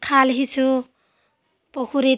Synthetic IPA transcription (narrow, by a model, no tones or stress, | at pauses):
kʰalɦit͡sʰu | pokʰuɾe